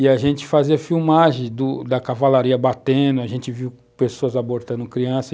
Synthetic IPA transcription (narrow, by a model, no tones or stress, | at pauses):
ɪaʒẽnt͡ʃɪ̥faziɐfiwmaʒẽd̪ʊd̪ɐkavalaɾiɐbat̪ẽd̪ʊaʒẽnt͡ʃɪviw | pesoɐzaboɾt̪ɐ̃nd̪ʊkɾiɐ̃sɐ